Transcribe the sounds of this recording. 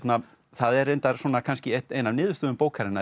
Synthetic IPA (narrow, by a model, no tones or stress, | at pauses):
t̪na | θaðɛɾejnt̪aɾ̥swɔːnakʰanscɪɛt̪ejnavnɪːðʏst̪ʏːðʏmpoːwkʰaɾɪna